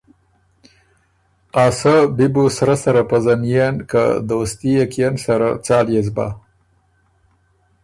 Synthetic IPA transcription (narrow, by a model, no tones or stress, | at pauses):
asabɪbosaɾasaɾapəzanjenka̰d̪ost̪ijakijansaɾa̰t͡sɑːljezba̰